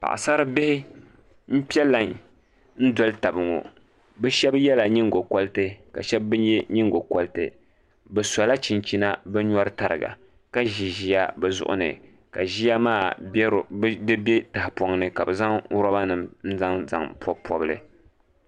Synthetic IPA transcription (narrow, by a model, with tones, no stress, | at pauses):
pa̰˨ʔa̰˨sa˦ɾɨ˦bɪ˦hɪ˦ | m̩˦pi˦ɛ˦lːa˨n | n̩˦dɔ˨˦lɨ˦ta˨bɨ˨ŋo̰˨ | bɛ˦ʃɛ˦bjɛ˦la˨ɲi˦ŋɡo˨kɔ˦ltɨ˦ka̰˨ʃɛ˦b̚ːɨ˦njɛ˦ɲi˦ŋɡo˨kɔ˦ltɨ̰˨ | bɛ˨sa˨la˦t͡ʃi˨nt͡ʃi˦na˦bɛ˦ɲɔ˦ɾɨ˦ta˨ɾɨ̰˨ɡa̰˨ | ka˦ʒi˨ʒi˦ja˦bɛ˨zʊ̰˦ʔʊ̰˦nɨ̰˨ | ka˨ʒi˦ja˦maː˦˨˦ | dɨ˦be˦ta˨hɪ˨pɔ˨ŋnɨ˨ka˨bɛ˨za˦ŋ˦ɾa˦ba˦nɨ˨mn̩˦za˦ŋza̰˨ŋpʰɔ˦pʰɔ˦bɨ˦lɨ̰˨